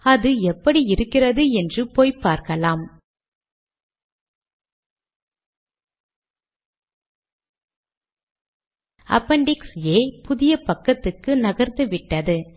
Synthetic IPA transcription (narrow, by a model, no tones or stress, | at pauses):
ɐðɯɛpːɐɽiɪɾɯkːɪrɐðɯɛndrɯpoːjpːaːɾkɐlaːm | ɐ̰pːɐɳɖɪkseːpʊðɪjɐpɐkːɐt̪ːɯkːɯnɐɣɐɾnd̪ɯʋɪʈːɐðɯ